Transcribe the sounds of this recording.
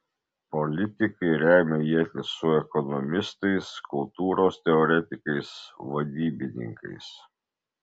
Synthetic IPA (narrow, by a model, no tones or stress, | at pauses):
pɔlʲɪt̪ʲɪkɐɪɾʲæˑɪmʲɛjiɛt̪ʲɪsʊɛkɔnɔmʲɪst̪ɐɪskʊlˠt̪uːɾoːst̪ʲɛɔɾʲɛt̪ʲɪkɐɪsʋɐd̪ʲiːbʲɪnʲɪ̰ŋkɐɪs